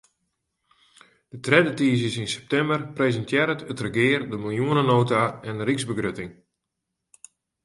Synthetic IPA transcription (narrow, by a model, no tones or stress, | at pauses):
d̥ətrɛdətiːzjəsɪnsɛ̥p̚tɛmbərpreːzəntʰjɛɾətətrəɡɪːrdəmɪlˠjuənənoːtaɛndəɾikzbəɡrøtɪŋ